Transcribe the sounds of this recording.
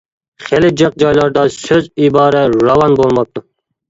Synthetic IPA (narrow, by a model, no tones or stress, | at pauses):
χelɪd͡ʒəq̚d͡ʒɑjlˠɑɾd̪ɑsøzibɑːɾɛɾɑwɑnbolˠmɑp̚t̪ʰʊ